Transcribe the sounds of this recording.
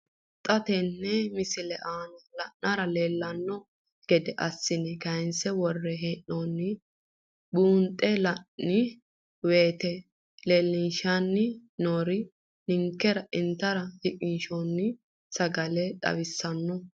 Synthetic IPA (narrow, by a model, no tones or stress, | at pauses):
t̪ʼɐt̪ɛnːɛmɪsɪlɛʔaːnɔlɐʔːɐɾɐle̞ːlːɐnːɔ | ɡ̥ɛd̪ɛʔɐsːɪnɛkɐɪnsɛwɔrːɛɦeːʔːonːɪ | buːnt̪ʼːɛlɐnːɪ | weːt̪ɛ | le̞ːlːɪnʃanːɪnoːɾɪ | nɪŋkːɛɾɐʔɪnt̪ːɐɾɐhɪkʼɪnʃonːɪ | sɐɡɐlɛt̪ʼɐ̰βɪsːɐnːɔ